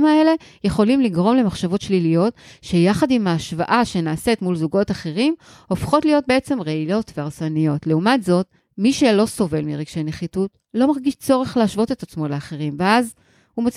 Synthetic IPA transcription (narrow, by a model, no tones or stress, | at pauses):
mae̞le̞ | je̞χo̞limliɡʁo̞mle̞maχʃavo̞tʃlilijo̞tʃe̞jaχadimaːʃva̰ʔaʃe̞naːsetmulzuɡo̞taχe̞ʁim | o̞fχo̞tlijo̞t̚be̞et͡se̞mʁeilo̞tveaʁsanijo̞tle̞umatzo̞t | miʃe̞lo̞so̞ve̞lmiʁiɡ̥ʃejne̞χitut | lo̞maʁɡiʃt͡so̞ʁe̞χleaʃvo̞te̞tat͡smo̞leaχe̞ʁimveaz | humat͡s